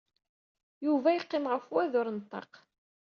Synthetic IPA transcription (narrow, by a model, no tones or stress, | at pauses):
juvæjəqːemʁəfwæðʊɾnt̪ˤːɑ̰q